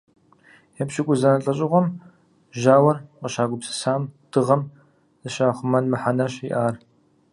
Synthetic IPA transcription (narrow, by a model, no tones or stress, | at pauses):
jɛpɕɪkʷʼʊzanɐɬʼɐɕʼɪʁʷɔm | ʒaːwɐrqəʃaːɡʷʊpsɨ̥saːmd̥ɨʁɐm | zɨʃaːχʷʊmɐnmɨħanɐɕiʔaːr